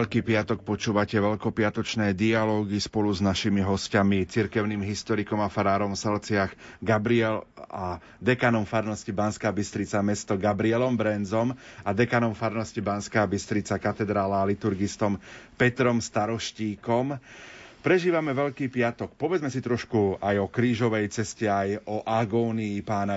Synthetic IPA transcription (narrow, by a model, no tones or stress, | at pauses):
ɛʎkiːpɪat̪ɔk̚pɔt͡ʃuːʋacɛʋɛʎkɔpɪat̪ɔt͡ʃnɛːd̪ialɔːɡispɔluznaʃimiɦɔscamit͡siɾkɛʊniːmɦist̪ɔɾikɔmafaɾaːɾɔmsɛlt͡sɪaxɡabɾiɛla | d̪ɛkaːnɔmfaɾnɔscibanskaːbist̪ɾit͡samɛst̪ɔɡabɾiɛlɔmbɾɛnzɔmad̪ɛkanɔmfaɾnɔscibanskaːbist̪ɾit͡sakat̪ɛd̪ɾaːlalit̪uɾɡist̪ɔmpɛt̪ɾɔmst̪aɾɔʃciːkɔm | pɾɛʒiːʋamɛʋɛʎkiːpɪat̪ɔk̚pɔʋɛd͡zmɛsit̪ɾɔʃkuajɔkɾiːʒɔʋɛjt͡sɛscɛajɔʔaɡɔːniːpaːna